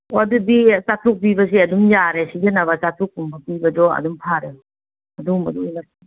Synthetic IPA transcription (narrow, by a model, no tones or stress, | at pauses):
dudit͡ʃat̪ɾuk̚pibɐsiɐdumjaɾesid͡ʒenɐβɐt͡ʃatɾuk̚ːumbɐpibɐdɔɐ̰dumpʰaɾeu | ɐdumɐdujlɐi